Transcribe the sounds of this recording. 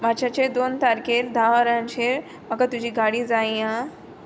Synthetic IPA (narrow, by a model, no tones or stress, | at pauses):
mat͡ɕat͡ɕed̪ont̪aɾkeɾd̪ʱaʋəɾãɲt͡ɕʰeɾ | məɡat̪ud͡ʑʱiːɡaɽiːd͡zaĩã